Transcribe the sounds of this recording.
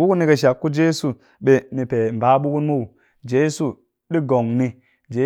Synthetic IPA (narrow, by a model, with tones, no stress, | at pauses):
u˦ku˦nːi˨ke˨ʃ̬a˨kːu˦d͡ʒe˦su˨ | ɓe˨ni˨pe˨m˨ba˦ɓu˦ku˦nmu˦u˨ | d͡ʒe˦su˦˨ | ɗi˦ɡo˨ŋni˦ | d͡ʒe˦